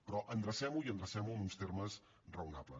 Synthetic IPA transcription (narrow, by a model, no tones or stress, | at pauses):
pɾɔʔənd̪ɾəsɛmuiənd̪ɾəsɛmuənunst̪erməs | rəunaplə̰